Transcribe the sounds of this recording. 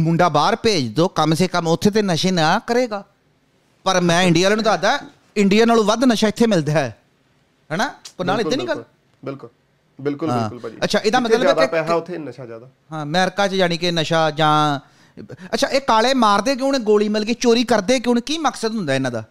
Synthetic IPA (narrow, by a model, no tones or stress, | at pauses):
mʊɳɖaːbaːɾpeːd͡ʒd̪oːkəmseːkəmʊt̪ʰːeːt̪̬eːnəʃeːnãːkəɾeːɡaː | pəɾmɛ̃ːɪ̃ɳɖijaːlaːnũd̪aːd̪aːɛ | ɪɳɖijaːnaːlũːʋəd̪nəʃaːɪt̪ʰːeːmɪld̪aːɛː | ɦɛːnaːonaːlɪt̪eːnĩːɡəl | bɪlk | bɪlkʊãːlətːʃʰaːʔɪd̪aːmət̪ləbɛːeɛːaʊt̪ʰːenəʃaːd͡ʒaːd̪aːɦãːmɛ̃ːəɾkaːt͡ʃd͡ʒaːɽ̃iːkɪnəʃaːd͡ʒãː | ətːʃʰaːʔeːkaːleːmaːɾd̪eːk̬ɪʊnẽːɡoːliːmɪlɡiːt͡ʃoːɾiːkəɾd̪eːkɪʊneːkiːməksəd̪ɦʊ̃nd̪aːɪnãːd̪a̰ː